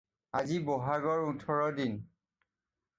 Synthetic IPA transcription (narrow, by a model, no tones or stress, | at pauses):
aziboɦaɡɔɹutʰɔɹɔdin